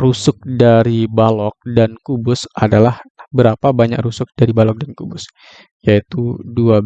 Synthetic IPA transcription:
rusʊk̚daɾibalɔk̚dankubʊsadalahbəɾapabaɲa̰krusʊk̚daɾibalɔk̚dankubʊs | jait̪udua

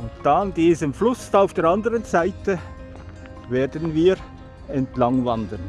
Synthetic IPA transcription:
ʊntd̥andiːzəmflʊstaʊfd̥eːɐɾɑndəʁənzaɪtə | veːɐdənviːɾ | ɛntlaŋvɑndən

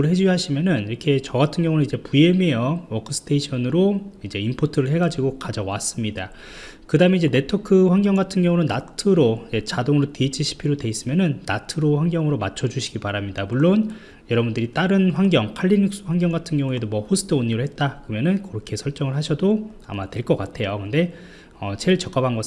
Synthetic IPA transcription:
ɯɭɦe̞d͡ʑuɡiɦaɕʰimjʌnɯniɾʌkʰe̞t͡ɕʌɡatʰɯnɡjʌŋunɯnid͡ʑe̞pue̞mejʌwʌkʰɯsʰɯ̥tʰeiɕʰʌnɯɾoid͡ʑe̞impʰotʰɯɾɯɭhe̞ɡad͡ʑiɡokad͡ʑʌwas͈ɯmɲida | kɯdaɯme̞id͡ʑe̞ne̞tʰokʰɯɸwaŋɡjʌŋɡatʰɯnɡjʌŋunɯnːatʰɯɾoje̞t͡ɕadoŋɯɾoteit͡ɕʰiɕʰi̥pʰiɾode̞is͈ɯmjʌnɯnːatʰɯɾoɸwaŋɡjʌŋɯɾomat͡ɕʰʌd͡ʑuɕʰiɡipaɾamɲidamuɭːon | jʌɾʌbundɯɾit͈aɾɯnɸwaŋɡjʌŋpʰaʎːinik̚s͈ɯwaŋɡjʌŋɡatʰɯnɡjʌŋue̞domwʌɸosʰɯ̥tʰɯoɲːiɾɯɭhe̞t̚t͈akɯɯmjʌnɯnkʌɾʌkʰe̞sʰʌɭt͡ɕ͈ʌŋɯɭɦaɕʰʌdo | a̰matwe̞ɭk͈ʌk͈atʰe̞jokɯnde̞ | ʌt͡ɕeiɭt͡ɕʌk͈abanɡʌ

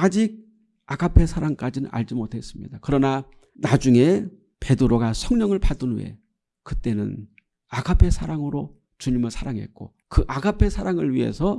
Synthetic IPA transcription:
ad͡ʑiɡ̚ | aɡapʰe̞sʰaɾaŋk͈ad͡ʑinɯna̰ʎd͡ʑimotʰe̞s͈ɯmɲḭdakɯɾʌna | nad͡ʑuŋe̞ | pe̞dɯɾoɡasʰʌŋɲʌŋɯɭpadɯnwe̞̰ | kɯt͈e̞nɯ̰n | aɡʰapʰe̞sʰaɾaŋɯɾo | t͡ɕuɲimɯɭsʰaɾaŋɦe̞̰t̚k͈o̰ | kɯʔaɡʰapʰe̞sʰaɾaŋɯɭɥiɦe̞̰sʰʌ

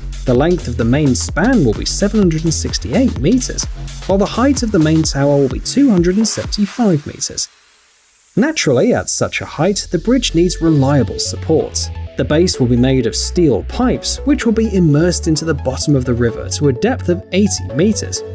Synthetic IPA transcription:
ðəlɛ̃ŋk̚θʌvðəmẽɪ̃nspæ̃nwɪlˠbḭsɛvnhʌ̃ndɹəɾn̩sɪkstieɪt̚miɾə̰˞z̥waɪlˠðəhaɪtʌvðəmẽɪ̃ntʰaʊə˞wɪlˠbḭtʰʉhʌ̃ndɹɨdn̩sɛvn̩tifaɪvmḭɾə̰˞z̥ | næt͡ʃɹ̥l̩ˠiə̰tsʌ̰t͡ʃə̰haɪt̪̚ðɨbɹɪd͡ʒnidzɹɪlaɪəbəlˠsəpʰɔ̰ɹt̪sðəbeɪswəlˠbimeɪɾʌv̥stilˠpʰaɪpswɨt͡ʃwəlˠbiʔɪmɜˑ˞stɪ̃ntʉðəbɑɾə̃mʌvðəɹɪvə̰˞tʰəədɛp̚θʌveɪtimitə̰˞z̥

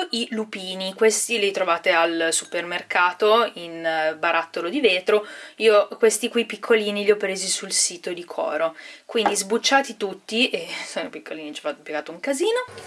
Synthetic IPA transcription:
ilupiːnikwest̪ilit̪ɾovaːt̪ealsupermerkaːt̪oinbaɾat̪ːolod̪iveːt̪ɾoiːokwest̪ikwipikʰːoliːniʎiɔpːɾeːzisulsiːt̪od̪ikʰɔ̰ːɾokwind̪izbut͡ʃːaːt̪it̪ut̪ːiʔesonopikʰːoliːnit͡ʃɛ̥fat̪ːopjeɡaːt̪ouŋkaziːno

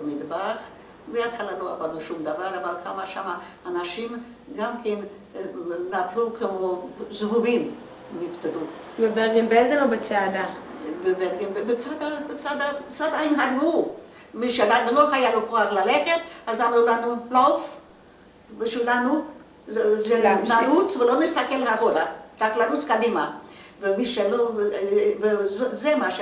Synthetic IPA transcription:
bemid̪baχ | beat̪χalaloa̰bad̪uʃumd̪avaɾavalkʰamaʃamaː | naʃim | ɡamken | nat̪lukʰemozvuvim | nift̪ad̪u | bebeʁɡembeezelobet͡sead̪a | bebeʁɡembebet͡sad̪abet͡sad̪at͡sad̪aimɦadu | miʃelad̪loχajalekoaχlaleχet̪azamlulanulof | biʃilanu | zenanut͡svelonesakelhaʁodaʁaklanut͡skad̪ima | vemiʃelo | vezzemaʃ

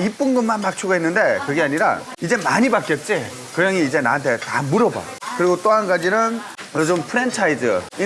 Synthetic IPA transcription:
ip͈unɡɯmːanmak̚t͡ɕʰoɡaɦenːɯnde̞kɯɡiaɲiɾa̰ | id͡ʑemaɲibak͈jʌt̚t͡ɕ͈i | kɯjaŋiːd͡ʑe̞na̰ɦantʰe̞ta̰muɾʌba̰kɯɾiɡot͈oɦanɡad͡ʑinɯn | jod͡ʑɯmpʰɯɾent͡ɕʰaid͡ʑɯ̰i

